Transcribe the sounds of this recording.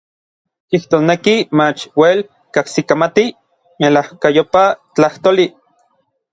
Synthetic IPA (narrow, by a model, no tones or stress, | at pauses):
iht̪oːsnekimat͡ʃwel | kahsikamat̪i | melahkajopat͡ɬaht̪oːli